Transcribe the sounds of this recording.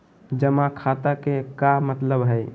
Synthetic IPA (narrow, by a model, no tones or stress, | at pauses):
d͡ʒəmãkʰat̪akekamət̪ləbɦəɪ